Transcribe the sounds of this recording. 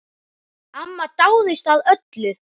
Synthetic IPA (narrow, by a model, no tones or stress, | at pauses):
amːat̪aːwðɪst̪aðœt̪lʏɾ̥